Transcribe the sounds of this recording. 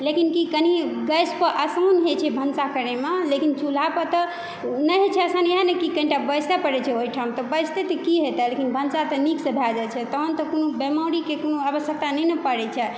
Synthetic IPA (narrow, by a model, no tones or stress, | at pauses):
lekinkikəniɡəjspəʔəsawnɦet͡ʃʰɛbʱənsakəɾemelekint͡ʃʰulapət̪ɔ | nəɦet͡ʃʰɛəsaneɦanekikəĩʈabəjst̪apəɽɛt͡ʃʰɛoɦiʈʰamt̪ɔbəst̪et̪əkiɦet̪ɛlekinbʱənsat̪əniksəbʱad͡ʒat͡ʃʰɛt̪əɦənt̪ɔkonobemaɾikekonoaβəsjək̚t̪anɛjnɛpəɽɛt͡ʃʰɛ